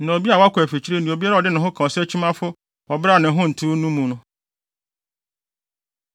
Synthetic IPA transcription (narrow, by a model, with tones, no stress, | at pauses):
nã˨o˨bi˦a˨wɔ˦a˦kʷæ˨fi˨t͡ɕʰi˦ɾe˦nĩ˨o˨bi˦a˦ɾa˦˨ɔ˨dɪ˦nʊ̃˨ɦʊ̃˦kʰã˨ɔ˨sæ˦t͡ɕʰi˦mã˦fʊ˦ | ɔ˨bɾa˦˨nɪ̃˨ɦʊ̃˦n̩˨tʰu˦nũ˦mũ˨nʊ̃˦